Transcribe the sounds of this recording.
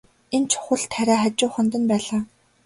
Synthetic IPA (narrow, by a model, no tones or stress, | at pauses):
ent͡ɕʰʊ̥χə̆ɮt̪ʰːæɾʲæːχat͡ɕʊːχə̆nt̪̬ə̆npæːɮaː